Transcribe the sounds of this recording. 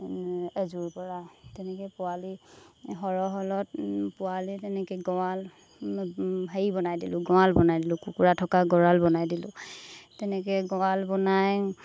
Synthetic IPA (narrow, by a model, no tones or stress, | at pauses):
ezuɹpɔɹatɛnɛkɛpʊwaliɦɔɹɔɦɔlɔt̚pʊalitɛnɛkɛɡɔwal | bʱajibɔnajdilʊ̃ɡɔwalbɔnajdilʊ̃kukuɹatʰɔkaɡɔɹalbɔnajdilʊ̰̃tɛnɛkɛɡɔwalbɔnaj